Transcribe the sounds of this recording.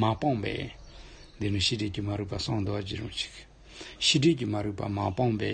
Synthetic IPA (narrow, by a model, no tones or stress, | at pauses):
mapɑŋpɛ̰ː | nd̪eniɕʰiɖ͡ʐeʔcəmaɾəʔpasɑŋnd̪owat͡ɕirɑt͡ɕə̥k̚ | ɕʰiɖ͡ʐeʔt͡ɕəmaɾʔpa̰mapɑŋpɛː